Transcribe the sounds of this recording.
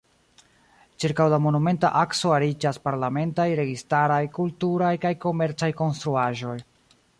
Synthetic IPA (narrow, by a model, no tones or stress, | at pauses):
t͡ʃiɾkawlamo̞nume̞nta̰ʔaksoaɾid͡ʒaspaɾlame̞ntajɾe̞ɡistaɾajkultuɾajkajko̞me̞ɾt͡sajko̞nstɾuaʒo̞j